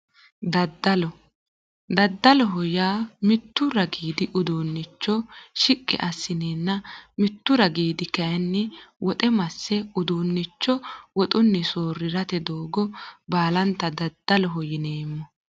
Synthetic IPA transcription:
d̪ɐd̪ːɐlɔ | d̪ɐd̪ːɐlɔɦɔjaːmɪt̪ːʊɾɐɡiːd̪ɪʔʊd̪uːnːɪt͡ʃːɔʃɪkʼːɪ̰ʔɐsːɪneːnːɐmɪt̪ːʊɾɐɡiːd̪ɪkɐjɐnːɪwʔɔt̪ʼɛmɐsːɛʊd̪uːnːɪt͡ʃːɔwɔt̪ʼʊnːɪsoːrːɪɾɐt̪ɛd̪oːɡɔbaːlɐnt̪ːɐd̪ɐd̪̥ːɐlɔɦɔjɪneːmːɔ

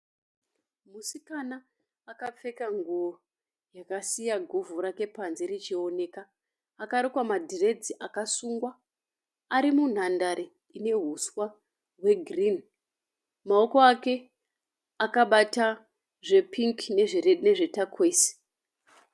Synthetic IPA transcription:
musikanaː | kap͡fe̞kaŋɡo | jakasijaɡʱovuɾake̞panze̞rit͡ʃio̞ne̞ːkaː | kaɾikwamadʱire̞d͡ziʔakasuːŋɡwaː | ɾimun̤andaɾi | ine̞ɦuswa | rwe̞ɡʱrin | mao̞ko̞ake̞ | akaɓata | ʐe̞pʰiŋkine̞ʐerene̞ʐe̞takʰweːsi̥

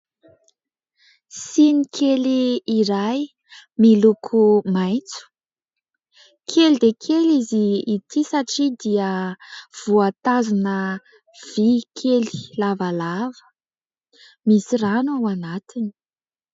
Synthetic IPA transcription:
sinikʰeliːɾaj | milukʰumajt͡su̥ | kʰelid̪ekʰeliziːt̪isaʈ͡ʂid̪iəv̥uat̪azunə | v̥ikʰeli̥lavalavə̥ | misiranawanat̪ini̥

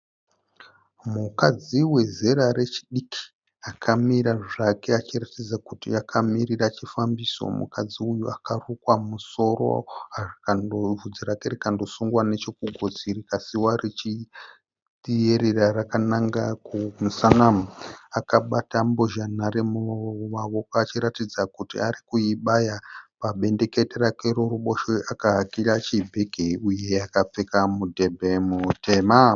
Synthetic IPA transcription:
mukad͡ziwe̞zeɾaɾe̞t͡ʃiɗikʰi̥ | akʰamiɾaʐake̞at͡ʃiratid͡zakutiakʰamiɾirat͡ʃifambiso̞̰mṵkad͡ziujuakarukwamuso̞ɾo̰arikandovud͡ziɾakerikando̞suŋɡwane̞t͡ʃo̞kuɡʱod͡zirikasiwaret͡ʃi | ɗieɾirarakanaŋɡakumusanamakaɓatamboʒanaɾemumaʋokaːt͡ʃiɾatid͡zakutḭaɾikuiɓajapaɓe̞nde̞ke̞teɾakweɾoruɓo̞ʃeʔakaɦakirat͡ʃibʱeɡʱeuje̞akap͡fekamudʱe̞bʱe̞mutʰema

